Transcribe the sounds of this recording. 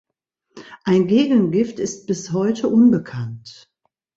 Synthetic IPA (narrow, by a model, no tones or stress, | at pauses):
ʔaɪnɡeːɡənɡɪftɪst̚b̥ɪshɔʏtʰəʔʊnbəkʰant